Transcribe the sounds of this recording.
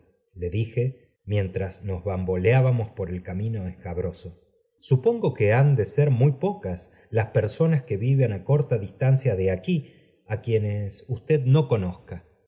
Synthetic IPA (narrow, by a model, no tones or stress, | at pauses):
le̞ðixe̞ | mje̞nt̪ɾasno̞zβambo̞leaβamo̞spo̞ɾe̞lkamĩno̞eskaβɾo̞so̞ | supo̞ŋɡo̞keand̪eseɾmujpo̞kas | laspe̞ɾso̞naske̞βiβanako̞ɾt̪aðist̪ansjaðe̞aki | akje̞nesust̪eðno̞ko̞noska